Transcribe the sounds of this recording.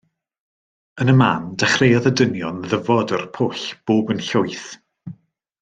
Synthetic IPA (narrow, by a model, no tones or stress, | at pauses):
ənəmaːndaχrejɔðədənjɔnðəvɔdərpʰʊɬb̥oːbənɬʊɨθ